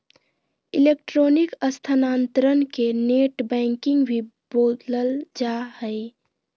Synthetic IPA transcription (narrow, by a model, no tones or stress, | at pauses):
ilekʈɾonikəst̪ʰənant̪ɾənkeneʈbɛ̃ŋkɪŋɡbʱi | boləld͡ʒahəɪ